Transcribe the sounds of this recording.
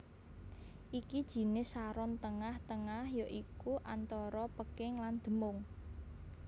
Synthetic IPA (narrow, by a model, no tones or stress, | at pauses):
ʔikid̥ʒ̥i̤nɪsaɾɔnt̪əŋaht̪əŋahjɔʔikuʔant̪ɔɾɔpəkɪŋland̪̥ə̤mʊŋ